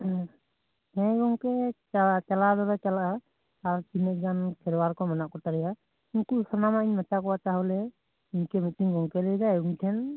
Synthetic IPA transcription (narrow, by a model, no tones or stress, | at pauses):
hɛ̃ɡɔŋkɛ | t͡ʃalad̪ɔɾɛt͡ʃalaʔa | aɾt͡ʃinɛʔ̚d͡ʒankʰɛɾwaɾkɔmanaʔkɔt̪aɾɛja | inkusɔnamaiɲmat͡ʃakɔwat͡ʃaɦɔlɛ | iɲkɛmitiŋɡɔŋkɛlɛjd͡ʒajuŋʈʰɛn